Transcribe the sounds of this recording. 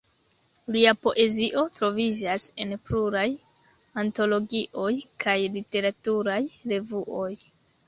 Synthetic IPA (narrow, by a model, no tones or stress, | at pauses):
liapo̞ʔe̞ziʔo̞tɾo̞vid͡ʒase̞npluɾaj | anto̞lo̞ɡiʔo̞jkʰajlite̞ɾatuɾajɾe̞vuʔo̞j